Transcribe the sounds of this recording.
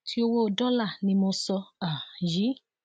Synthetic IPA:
tʰi˦o˧wo˦˧dɔ˦la˦˨nĩ˧˦mo˧sɔ˧a˨ji˨˦

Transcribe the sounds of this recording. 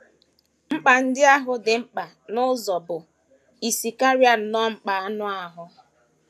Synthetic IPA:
ŋ͡m̩˦k͡pa˨n̩˦dɪ˦a˦ɦʊ˦dɪ˨ŋ͡m̩˦k͡pa˨ | nʊ˦zɔ˨bʊ˨ | i˨si˨ka˦ɾja˦nɔ˦ŋ͡m̩˦k͡pa˨a˦nʊ˦a˨ɦʊ˦

